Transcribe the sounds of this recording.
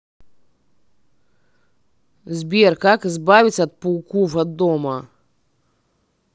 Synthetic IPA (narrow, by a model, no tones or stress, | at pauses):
zʲbʲɛrkakɪzbavʲit͡sʲːɐːt̪̚puwkuvɐd̪ːɔmɐ